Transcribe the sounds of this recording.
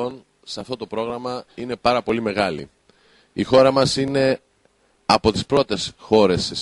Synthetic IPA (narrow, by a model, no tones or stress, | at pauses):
o̞n | seɐft̪o̞t̪o̞pɾo̞ɣɾɐmɐine̞pɐɾɐpo̞lime̞ɣɐlḭ | ixo̞ɾɐmɐsine̞ | ɐpo̞t̪ispɾo̞t̪e̞sxo̞ɾe̞se